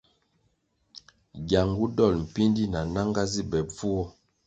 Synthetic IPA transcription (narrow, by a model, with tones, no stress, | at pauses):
ɡja˨ŋɡu˦dɔ˦˨lm̩˨pi˦ndi˦na˨na˦ŋɡa˦zi˦bɛ˨b͡vu˦ɔ˦